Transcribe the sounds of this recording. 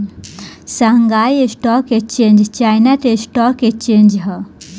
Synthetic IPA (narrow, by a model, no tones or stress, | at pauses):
saŋɡajesʈɔkekt͡ɕẽɲd͡ʑt͡ɕajnat̪esʈɔkekt͡ɕẽɲd͡ʒɦə